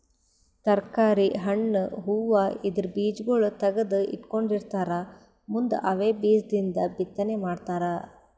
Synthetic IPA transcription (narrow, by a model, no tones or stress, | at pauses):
t̪ɐɾkaːɾiɦɐɳːɦuːʋaid̪ɐɾbiːd͡ʒɡoɭut̪ɐɡɐd̪uḭʈkoɳɖiɾt̪aːɾɐ | mund̪ṵʔɐʋeːbiːsd̪ind̪ɐbit̪ːɐnemaːɖt̪aːɾɐ